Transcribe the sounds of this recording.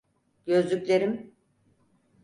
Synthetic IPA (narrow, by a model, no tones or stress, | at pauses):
ɟø̞zlʲycʲlʲe̞ɾim